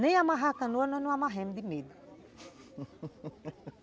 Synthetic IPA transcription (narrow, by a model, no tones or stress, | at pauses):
nẽj̃amaɦakɐ̃noɐnɔ̃nũamaɦẽmd̪ɪmed̪u